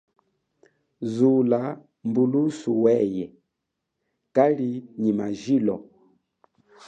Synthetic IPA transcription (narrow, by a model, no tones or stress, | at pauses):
zula | mbulusuwɛjɛ | kaliɲimaʒilɔ